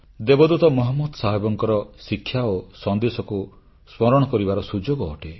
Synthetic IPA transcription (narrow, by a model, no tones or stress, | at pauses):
d̪ebɔd̪ut̪ɔmɔɦɔmːɔd̪saɦebɔŋkɔɾɔsikʰːjaosɔnd̪esɔku | spɔɾɔɽ̃ɔkɔɾibaɾɔsud͡ʒoɡɔːʈe